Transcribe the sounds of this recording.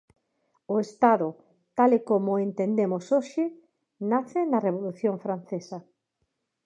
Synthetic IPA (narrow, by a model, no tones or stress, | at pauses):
ʊest̪aðʊ | t̪alɪkomʊent̪end̪emosoʃɪ | naθɪnɐreβ̞oluθjoŋfɾan̟θesɐ